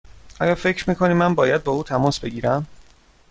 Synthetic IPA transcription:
ʔɒːjɒːfe̞cʰɾmiːkʰo̞niːmːænbɒːjæd̪̚bɒːuːt̪ʰæmɒːsb̥e̞ɡiːɾæm

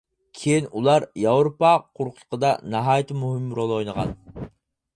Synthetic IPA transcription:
kʲʰejinulˠɑɾjɑwɾopɑqʰoɾqʰʊlʰˠə̥qəd̪ɑnɑɦɑːjt̪ʰɨmuɦɪmːɾolˠojnəʁɑ̰n

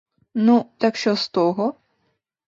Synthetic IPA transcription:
nut̪akʃt͡ʃɔst̪ɔɦɔ

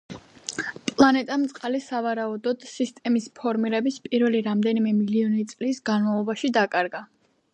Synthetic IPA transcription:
pʼlˠanɛt̪ʼamt̪sʼqʼalisavaɾaud̪ɔd̪̥sist̪ʼɛmispʰɔɾmiɾɛbispʼiɾvɛliɾamd̪ɛnimɛmiliɔnit̪sʼlisɡanmavlˠɔbaʃid̪akʼaɾɡa

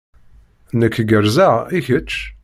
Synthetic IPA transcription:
nəkːɡəɾzæʁiçət͡ʃː

